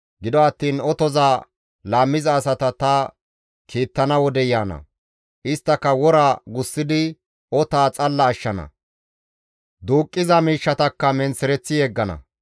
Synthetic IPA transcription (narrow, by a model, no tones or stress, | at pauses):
ɡɪd̪ɔɐt̪ːiːnɔt̪ɔzaː | laːmːɪzɐːsɐt̪ɐt̪ɐ | kʰiːt̪ːɐnɐwɔd̪ɛjaːnɐ̰ | ʔɪst̪ːɐkːɐwɔɾaːɡʊsːɪd̪ɪ | ɔt̪aːt͡sʼɐlːɐːʃːɐnɐ̰ | d̪uːkʼːɪzɐmiːʃːɐt̪ɐkːɐmɛnsɛɾɛt͡sːɪjɛɡːɐnɐ̰